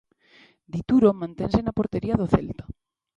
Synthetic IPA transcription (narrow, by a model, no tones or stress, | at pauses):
d̪it̪uɾomãnt̪ẽnsenapoɾt̪eɾiaðoθḛlt̪ḁ